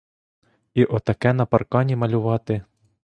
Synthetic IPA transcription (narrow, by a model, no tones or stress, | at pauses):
iʔɔt̪ɐkɛnɐpɐrkɑnʲimɐlʲʊʋɑt̪ɪ